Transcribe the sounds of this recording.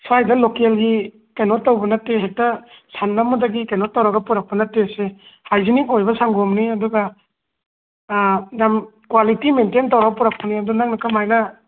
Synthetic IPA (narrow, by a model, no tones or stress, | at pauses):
sajdɐlokelɡi | kenɔtːawbɐnatːeɦek̚tɐsanːamudaɡikenɔtːawɾaɡɐpuɾak̚pɐnatːesehajzinikojbɐsaŋɡɔmniɐduɡɐ | jamkwalitimententawɾaɡɐpuɾak̚pɐniɐdunaŋ̚nakamajnɐ